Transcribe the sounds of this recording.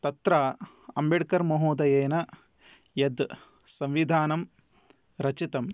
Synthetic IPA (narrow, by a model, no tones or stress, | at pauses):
t̪ɐt̪ɾɐ | ɐmbiɽkɐɾmɐɦoːd̪ɐjeːnɐ | jɐd̪ | sɐmʋid̪ʱaːnɐm | ɾɐt͡ʃit̪ɐm